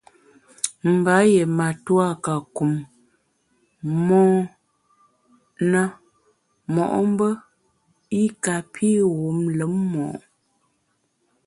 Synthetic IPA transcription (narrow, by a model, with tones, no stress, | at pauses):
m̩˨ba˨˦je˨ma˨twa˦ka˨ku˨m | ɔː˦ | nə˦ | mɔ˨ʔm̩˦bə˦ | i˦ka˨pʰi˦ɣu˨˦mlə˨˦mːɔ˨ʔ